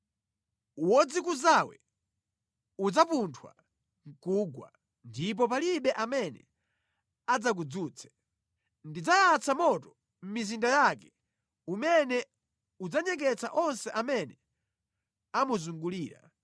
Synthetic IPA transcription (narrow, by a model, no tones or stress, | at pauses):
uwɔd͡zikuzawɛ | ud͡zapuntʰwa̰ | ŋ̩kuɡwa̰ | ndip̬ɔp̬aliɓɛʔamɛnɛ̰ | ad͡zak̬ud͡zuːt͡sʰɛ̥ | ndid͡zajat͡samɔtɔ | m̩mizindajakɛ̥ | umɛnɛ | ud͡zaɲɛk̬ɛt͡sa̰ʔɔnsɛʔamɛnɛ | amuzuŋɡuliːɾa̰